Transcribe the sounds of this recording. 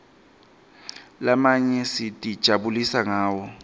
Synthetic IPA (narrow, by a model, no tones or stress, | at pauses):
lamaɲɛsɪtʼid̥ʒ̥ʱabulisaŋaːwɔ